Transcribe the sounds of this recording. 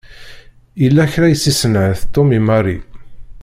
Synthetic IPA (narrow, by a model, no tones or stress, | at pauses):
jəlːæçɾæjəsːisənʕəθt̪ːomimarˤi